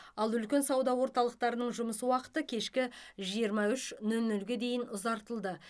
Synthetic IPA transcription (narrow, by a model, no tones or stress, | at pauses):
ɑlˠʏlkʲe̞nsɑwd̪ɑwo̞ɾt̪ɑlˠəq̚t̪ɑɾənəɴʒʊməsəwɑqə̥t̪əkʲʰe̞ʃkʲɪʒijəɾmɑʏʃnɵlnɵlɡʲe̞d̪e̞jɪnʊzɑɾt̪əlˠd̪ə